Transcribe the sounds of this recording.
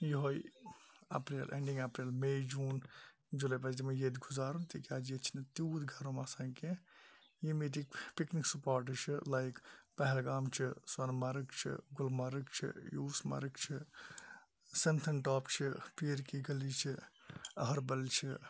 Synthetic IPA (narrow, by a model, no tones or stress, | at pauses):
jiɦoj | ɐ̰pɾiːlʔḛ̃ɳɖĩŋɡapɾiːlmejd͡ʒuːn | d͡ʒulep̬ɐd͡ʒd̪imɐjed̪ɡuzaːɾunt̪ikʲaːd͡ʒiet͡ʃʰinɐt̪uːd̪ɡʱɐɾõmaːsãːŋke | jimit̪ikpikniksupaːɾʈ̬t͡ʃʰilajkpɐɦɛlɡaːmt͡ʃʰiswɐnmɐɾɨkt͡ʃʰḭɡʊlmɐɾɨkt͡ʃʰḭjuːsmɐ̰ɾɨkt͡ʃʰi | sint̪ʰɐnʈɔːpt͡ʃʰipiːɾkiɡɐlit͡ʃʰiɐɦɐɾbɐlt͡ʃʰi